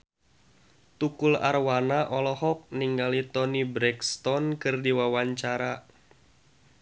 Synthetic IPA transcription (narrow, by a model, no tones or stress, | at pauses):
t̪ukula̰rwanaʔɔlɔhɔk̚niŋɡalit̪ɔnibɾɛkst̪ɔnkɨrdiwawaɲt͡ʃaɾa